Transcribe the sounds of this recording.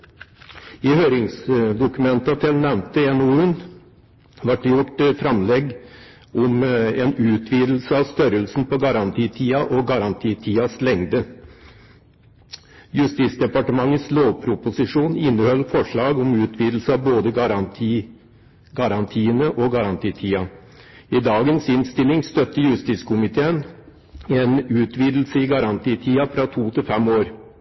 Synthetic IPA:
ɪhøːɾɪŋsd̪ʊkʉmɛnt̪ɑt̪ʰɪlnɛʋmt̪əɛnoʉn | ʋɑʈ̚ɖɛjʊʈfɾɑmlɛɡ | ʔɔmeːnʉːt̪ʰʋiːd̪l̩səɑʋst̪œɾəlsn̩pɔɡɑɾɑnt̪ʰiːt̪ʰiːɑʔɔɡɑɾɑnt̪ʰiːt̪ʰiːɑslɛŋd̪ə | jʉst̪iːt̪sd̪ɛpɑʈəmɑŋːəsloːʋpʰɾʊpʊsɪʂuːnɪnːəhœlːfɔʂɭɑːɡɔmʉːt̪ʰʋiːd̪l̩səɑʋboːd̪əɾ | ɡɑɾɑnt̪ʰiːənəʔɔɡɑɾɑnt̪ʰiːt̪ʰiːɑ | ɪd̪ɑːɡənsɪnst̪ɪlɪŋst̪œt̪ːəjʉst̪iːskʰʊmɪt̪ʰeːən | ɛnʉːt̪ʰʋiːd̪l̩səɪɡɑɾɑnt̪ʰiːt̪ʰiːɑfɾɑt̪ʰuːt̪ʰɪlfɛmoːɾ

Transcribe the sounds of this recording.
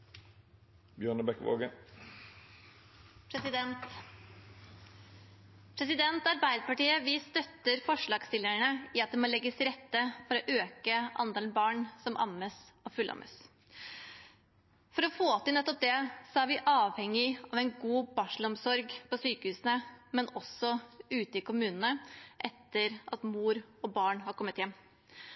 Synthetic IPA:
bjøːnəbɛkʋo̰ːɡən | pʰɾɛsɪd̪ɛnt̪ | pʰɾɛsɪd̪ɛnt̪ɑɾbæɪd̪əpɑʈiːəʋɪst̪œt̪ːəɾfɔʂɭɑːɡst̪ɪlːəɳəɪɑt̪̚d̪ɛmoːlɛɡːəsɾɛt̪ːəfɔɾɔʔøːkəʔɑ̰nd̪eːln̩bɑːɳsɔmʔɑ̰məsɔfʉlʔɑ̰mʔə̰s | fɔɾɔfoːt̪ɪlnɛt̪ːɔp̚d̪ɛsɔæɾʋɪʔɑːʋhɛŋːɪɑʋɛɪnɡuːbɑʂlɔmsɔɾɡpɔsyːkəhʉːsnəmɛnɔsɔʉːt̪əɪkʊmʉːnənəʔɛt̪ːəɾʔɑt̪muːɾɔbɑːɳhɑɾkʰɔmːət̪jɛmː

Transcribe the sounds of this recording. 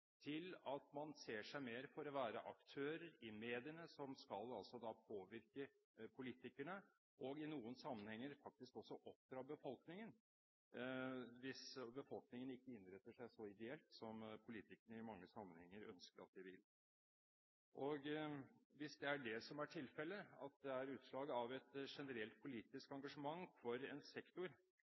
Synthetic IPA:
t̪ʰɪlɑt̪mɑnseːʂæɪmeːɾfɔɾɔʋæːɾəʔɑkt̪ʰøːɾəɾɪmeːd̪ɪənəsɔmskɑlɑlsɔd̪ɑpʰoːʋɪɾkə | pʰʊliːt̪ɪkæɳə | ʔɔɡɪnuːənsɑmːənhɛŋːəɾfɑk̚t̪ɪskɔsːɔʔɔpdɾɑbəfɔlknɪŋən | ʋɪsbəfɔlknɪŋənɪkːəɪnːɾɛt̪ːəʂæɪsɔɪd̪ɛɛlt̪sɔmpʰʊliːt̪ɪkəɳəɪmɑŋːəsɑmːənhɛŋːəɾœ̰nskəɾɑ̰t̪̚d̪ɪʋɪl | ʔɔɡ | ʋɪsd̪ɛæɖɛsɔmæʈʰɪlfɛlːəɑ̰t̪̚d̪ɛæɾʉːt̪ʂlɑːɡəɑʋɛt̪ʂɛnəɾɛlt̪̚pʰʊliːt̪ɪskɑŋɡɑʂəmɑŋːfɔɾɛ̰nsɛkt̪ʊɾ

